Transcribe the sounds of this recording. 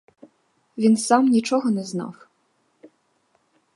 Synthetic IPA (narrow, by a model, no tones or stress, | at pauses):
vʲinsamnʲit͡ʂɔɣɔnɛznɑ̰w